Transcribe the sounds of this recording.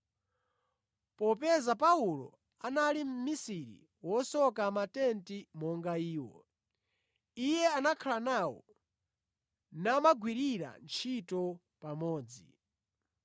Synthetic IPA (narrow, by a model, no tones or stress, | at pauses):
pɔpɛzapaulɔ̰ | analim̩misiɾḭ | wɔsɔkamatɛntimɔŋɡaiːwɔ̰ | ijɛanakʰalanawɔ̰ | namaɡwiɾiɾa̰nt͡ʃʰitɔ | pamɔːd͡zi